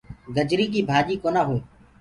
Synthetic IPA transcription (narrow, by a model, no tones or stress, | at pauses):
ɡəd͡ʒɾĩːk̬iːbʱaːʄiːkoːnãːɦũː